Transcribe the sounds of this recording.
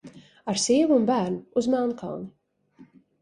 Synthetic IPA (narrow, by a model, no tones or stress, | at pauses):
aɾsiːvunbæːɾnuuzmælˠnka̰lˠni